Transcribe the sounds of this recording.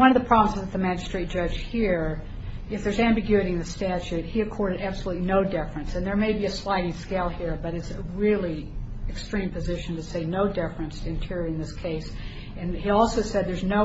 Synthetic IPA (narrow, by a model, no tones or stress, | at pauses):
wʌ̃nʌvðəpʰɹ̥ɑbm̩zɨzðɨt̪̚ðɨmæd͡ʒɨstɹ̥eɪt̚d̥ʒ̥ʌ̥ʒ̥hiɹ | ɨfðə˞zæ̃mbɨɡjʉɨɾiɨ̃nðɨstæt͡ʃʉt̚hiɨkʰɔɹɾɨɾæb̥səlutˡlinoʊdɪfɹɨ̃nsɨ̃nðə˞meɪbiɨslaɪɾĩskeɪlˠhiɹbʌɾɨtsɨɹɪlˠiɨkstɹ̥ĩmpɨzɪʃn̩tɨseɪnoʊdɪfɹɨ̃nstʰɨɨ̃ntʰɪɹɨ̃nðɪskʰeɪs | ɨ̃niɔlˠsoʊsɛd̪̚ðə˞znoʊ